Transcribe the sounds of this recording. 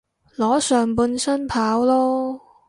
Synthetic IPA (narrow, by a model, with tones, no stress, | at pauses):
lɔː˨˥sœː˨ŋpuː˧nsɐ˥npʰaː˨˥wlɔː˥